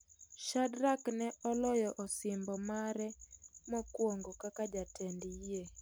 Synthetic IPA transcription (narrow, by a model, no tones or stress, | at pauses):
ʃadɾaknɛɔlɔjɔʔɔsɪmbɔmaɾɛmɔkwoŋɡokakad͡ʒatʰɛndije